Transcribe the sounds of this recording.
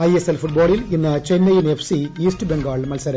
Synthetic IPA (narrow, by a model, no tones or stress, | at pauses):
ɐjeselfuʈ̚boːɭilinːɐt͡ɕenːɐjinefsiiːsʈɨbeŋɡaːɭmɐlsɐɾɐ